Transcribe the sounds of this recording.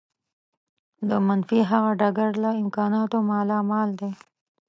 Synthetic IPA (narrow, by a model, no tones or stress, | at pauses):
d̪əmanfiɦaɣaɖaɡaɾlaɪmkɑnɑt̪omɑlɑmɑld̪e